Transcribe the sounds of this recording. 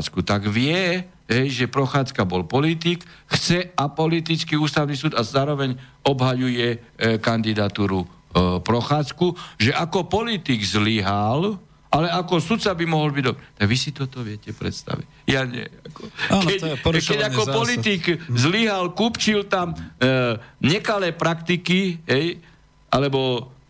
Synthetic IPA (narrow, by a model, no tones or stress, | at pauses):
t͡skut̪aɡʋɪɛ | ɦɛjʒɛpɾɔxaːt͡skabɔlpɔlit̪ikxt͡sɛapɔlit̪it͡skiuːst̪aʊnisuːd̪azaːɾɔʋɛɲ | ɔbɦajujɛkand̪id̪at̪uːɾupɾɔxaːt͡skuʒɛʔakɔpɔlit̪iɡzliɦal | ʔalɛakɔsut̪t͡sabimɔɦɔlbiɟd̪ɔbɾɛt̪aɡʋisit̪ɔt̪ɔʋɪɛcɛpɾɛ̰t̪st̪a̰ʋḭc | jaɲɛ̰akɔakɛɾʃkɛakɔpɔlit̪iɡzliɦalkuːpt͡ʃilt̪am | ɲɛkalɛːpɾakt̪ikiɦɛj | ʔalɛbɔ